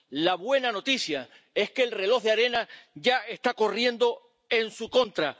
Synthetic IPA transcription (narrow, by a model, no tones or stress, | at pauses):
laβwe̞nano̞t̪isja | e̞hke̞ːlre̞lo̞ɦðeaɾe̞naʝae̞st̪ako̞rje̞nd̪o̞ | e̞nsukõ̞nt̪ɾa